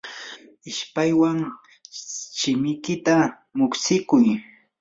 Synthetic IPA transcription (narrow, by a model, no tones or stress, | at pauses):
ɪʃpajwaŋ | ʃɪmɪjkɪt̪a | mʊksɪkʊj